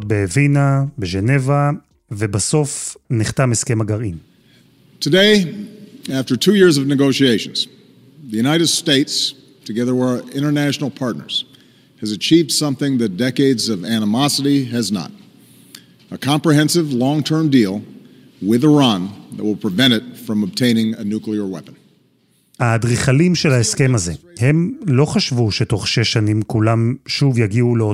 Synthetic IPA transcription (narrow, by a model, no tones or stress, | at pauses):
t̚beːvinabeʒeneva | vebaso̞fniχtamheskemaɡaʁim | tʰɨdeɪ | æftə˞tʰʉjɪɹzʌvnɨɡoʊʃieɪʃɨ̰̃n̩z̥ | ðɨjʉnaɪɾɨd̥steɪts | tʰɨɡɛðə˞wə˞ɪ̃ɾ̃ə˞næʃn̩l̩ˠpʰɑɹtⁿnə̰˞z̥ | ɨzɨt͡ʃʰivd̥sʌ̃mθɪ̃ŋðɨt̚d̥ɛkeɪdzʌvænəmɑsəɾiɨznə̰ɾ | əkʰɑ̃mpɹiɦɛ̃nsɨvlɔ̃ŋtʰɜ̃˞mdilˠ | wɪðə˞ɑ̃nðɨ̰t̚wɪlˠpʰɹ̥ɨvɛ̃ɾ̃ɨtfɹʌ̃məb̚tʰẽɪ̃nɪ̃ŋɨnʉkliə˞wɛ̰pə̃n̩ | hadʁiχalimʃelaeske̞maze̞he̞mlo̞χaʃvuʃeto̞χʃeʃanimkulamʃuvjaɡiuleo